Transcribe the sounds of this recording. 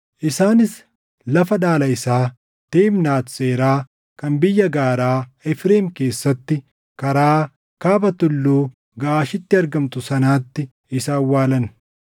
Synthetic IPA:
ʔɪsaːnɪs | lɐfɐᶑaːlɐɪsaː | t̪eːmnaːt̪se̞ːɾaː | kɐnbɪjːɐɡaːɾaːɪfɾeːmke̞ːsːɐt̪ːɪ | kɐɾaː | kaːbɐt̪ʊlːuː | ɡaʔaːʃɪt̪ːɪɐɾɡɐmt̪ʊsɐnaːt̪ːɪ | ɪsaːwːaːlɐn

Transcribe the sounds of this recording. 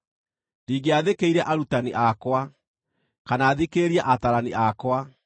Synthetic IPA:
ndiːɡeaðekeiɾɛʔaɾutaniʔakwa | kanaːðikeɾiaʔataɾaniʔakwa

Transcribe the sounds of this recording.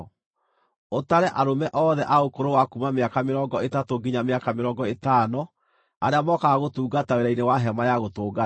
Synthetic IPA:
otaɾɛʔaɾomɛʔɔːðɛʔaokoɾowakumameakameɾɔŋɡɔetatoɡiɲameakameɾɔːɡɔetaːnɔ | aɾeamɔkaɣotuːɡataeɾainewaɦɛmajaɣotoːɡa

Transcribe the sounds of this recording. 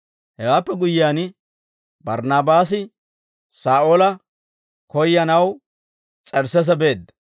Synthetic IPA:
hɛwaːpːɛɡʊjɪaːn | bɐɾnaːbaːs̬ɪ | saːʔolɐ | kɔjːɐnɐw | t͡sʼɛɾsɛs̬ɐbe̞ːd̪ːɐ

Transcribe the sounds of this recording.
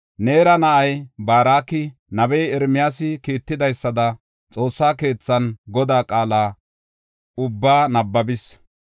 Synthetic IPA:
ne̞ːɾɐnɐʔɐjbaːɾaːkɪnɐbɛjɛɾmɪjaːs̬ɪkiːt̪ːɪd̪ɐjsːɐd̪ɐ | t͡sʼo̞ːsːaːke̞ːt͡sːɐnɡɔd̪aːkʼaːlaː | ʊbːaːnɐbːɐbɪs

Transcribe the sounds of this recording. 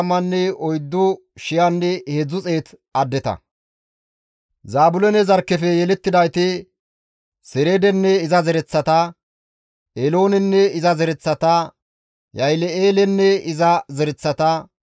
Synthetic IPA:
ɐmːɐnːɛɔjd̪ːɔ | ʃɪjanːɛhɛd͡zʊt͡sʼe̞ːt̪ | ɐd̪ːɛt̪ɐ̰ | zaːbʊlɛnɛzɐɾkːɛfɛjɛlɛt̪ːɪd̪ɐjt̪ɪ | sɛɾed̪ɛnːɛɪzɐzɛɾɛt͡sːɐt̪ɐ | elo̞ːnɛnːɛɪzɐzɛɾɛt͡sːɐt̪ɐ | jɐjlɛeːlɛnːɛɪzɐzɛɾɛt͡sːɐt̪ɐ

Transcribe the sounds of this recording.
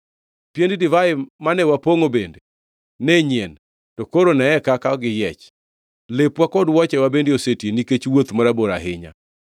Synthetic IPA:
pjenddɪvaɪmanɛwapoŋobende | neɲen | tokoɾonɛɛkakaɡɪjɛt͡ʃ | lepwakɔdwɔt͡ʃɛwabendeosetjeniket͡ʃwot̪maɾaboɾaɦɪɲa̰

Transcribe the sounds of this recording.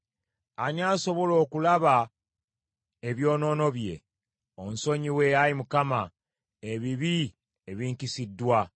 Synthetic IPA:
aɲaːso̞βo̞lo̞ːkulaβa | e̞βjo̞ːno̞ːno̞βje̞̰ | onso̞ɲiwe̞jajimukama | eβiβi | eβiːɲkisidːwa

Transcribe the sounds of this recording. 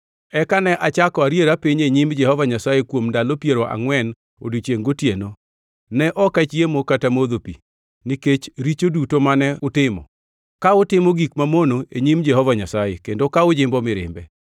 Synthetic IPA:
ɛkanɛʔat͡ʃakɔaɾjeɾapiɲeɲimd͡ʒɛhɔvaɲasajekwomndalopjeɾoʔa̰ŋwɛn | o̰dut͡ʃeŋɡotjeno | nɛʔɔkat͡ʃjemokatamoðopḭ | niket͡ʃɾit͡ʃodutomanɛʊtɪmɔ̰ | kaʊtɪmoɡikmamonoʔeɲimd͡ʒɛhɔvaɲasajekendokaʊd͡ʒɪmbɔmɪɾɪ̰mbɛ̰

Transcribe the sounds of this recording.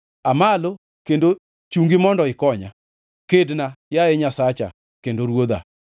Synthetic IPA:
amalo | kendo | t͡ʃuŋɡɪmɔndɔɪkɔɲa | kednajaɛɲasat͡ʃa̰ | kendoɾwod̪a̰

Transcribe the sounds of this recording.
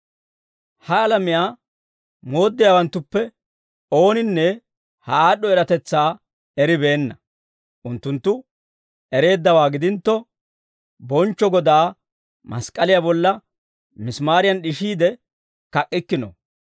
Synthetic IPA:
hɐɐlɐmɪjaː | mo̞ːd̪ːɪjaːwɐnt̪ːʊpːɛ | o̞ːnɪnːɛ | hɐaːɗːɔɛɾɐt̪ɛt͡sːaː | ɛɾɪbe̞ːnːɐ | ʔʊnt̪ːʊnt̪ːʊ | ɛɾe̞ːd̪ːɐwaːɡɪd̪ɪnt̪ːɔ | bɔnt͡ʃːɔɡɔd̪aː | mɐ̰skʼɐlɪjabɔlːɐ | mɪsmaːɾɪjɐnɗɪʃiːd̪ɛ | kɐkʼːɪkːɪnɔ̰

